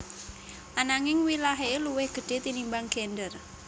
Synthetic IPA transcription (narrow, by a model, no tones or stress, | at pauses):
ʔanaŋɪŋwilaɦeluwɪhɡ̥ə̤ɖ̥e̤t̪inimbaŋɡ̥ɛndər